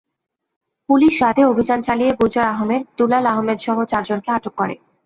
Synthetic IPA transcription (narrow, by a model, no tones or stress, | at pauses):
puliʃɾad̪ʱeobʱid͡ʑant͡ɕalijeɡud͡ʑaɾaɦomed̪̚t̪ulalaɦomed̪ʃɔɦot͡ɕaɾd͡ʑonkeaʈokːɔɾḛ